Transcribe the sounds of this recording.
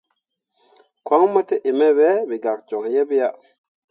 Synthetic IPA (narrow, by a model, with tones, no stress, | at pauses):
kwa˦ŋmo˦te˦ʔi˨me˦be˦bi˨ɡa˨k̚d͡ʒo˨kje˦bja˦